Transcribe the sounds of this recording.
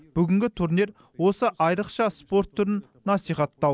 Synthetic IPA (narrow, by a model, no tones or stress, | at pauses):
b̥ʏɡʲɪŋʲɡʲɪt̪ʰuɾniɾ | wo̞səʔɑjɾəqʃɑspo̞ɾt̪ʰːʊɾənːɑsijχɑt̪ːɑw